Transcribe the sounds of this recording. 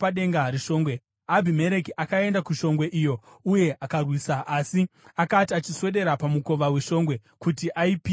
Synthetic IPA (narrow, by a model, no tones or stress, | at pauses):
aɗe̞ŋɡaɾiʃo̞ːŋɡwe | abʱime̞ɾe̞kiʔakae̞ndakuʃo̞ŋɡwe̞ʔijo̞ | uje̞ʔakarwiːsaʔasiakatiat͡ʃiswe̞ɗe̞ɾapamuko̞ʋaweʃo̞ːŋɡwe̞kutiʔaipi